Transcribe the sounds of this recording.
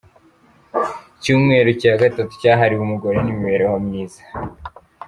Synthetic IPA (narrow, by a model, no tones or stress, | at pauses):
cuːmŋe̞ːɾocaːɡatatu̥caːɦaɾiwumuɡo̞ɾenimiβe̞ɾewamɲiːzḁ